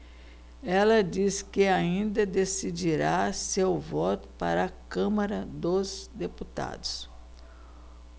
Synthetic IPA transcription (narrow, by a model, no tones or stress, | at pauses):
ɛlɐd͡ʒiskɪaĩnd̪ɐd̪esid͡ʒiɾasewvɔt̪ʊ̥pa̰ɾɐːkɐ̃mɐɾɐd̪ozd̪eput̪a̰d̪ʊs